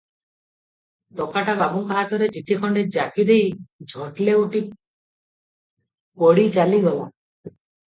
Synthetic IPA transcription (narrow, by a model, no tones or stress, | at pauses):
ʈɔkaʈababuŋkɔɦat̪ɔɾed͡ʒiʈikʰɔɳɖed͡ʒakid̪ejd͡ʒʱɔʈleuʈi | pɔɽid͡ʒaliɡɔwɔ̰